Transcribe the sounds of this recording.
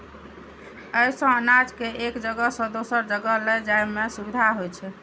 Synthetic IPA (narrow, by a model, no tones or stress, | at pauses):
əjsə̃ənad͡ʒkeekd͡ʒəɡəsə̃d̪osəɾd͡ʒəɡəled͡ʒajmesubid̪ʱaɦojt͡ʃʰɛ